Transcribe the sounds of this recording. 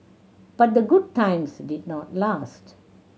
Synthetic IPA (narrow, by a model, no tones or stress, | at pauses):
b̥ʌt̚d̪əɡʊd̚tãɪ̃msɖɪdnɔtlast